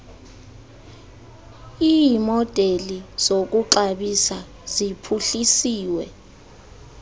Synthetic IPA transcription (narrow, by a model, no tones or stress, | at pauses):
ijimɔd̥ʱeliz̥ok̬uǃaɓisa | zipʰuɬisiːwɛ